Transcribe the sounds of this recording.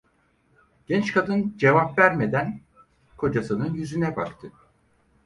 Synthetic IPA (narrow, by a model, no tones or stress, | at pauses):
ɟ̥ɛnt͡ʃkʰad̪ɯnd͡ʒe̞vapvæɾme̞d̪æn | kʰo̞d͡ʒasɯnɯnjyzynɛbakt̪ʰɯ